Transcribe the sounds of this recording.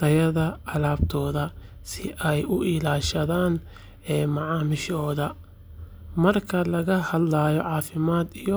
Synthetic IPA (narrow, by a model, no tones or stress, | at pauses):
t̪ʰɐjɐðɐɑlaːbt̪ʰɔːðɐ | sɪʔɛjʊʔɪlaːʃɐðaːn | ɛːmɐʕɑːmɪʃɔːðɐ | mɐrkʰɐlɐɣɐhɐd̪laːjɔʕɑːfɪmaːd̪ijɔ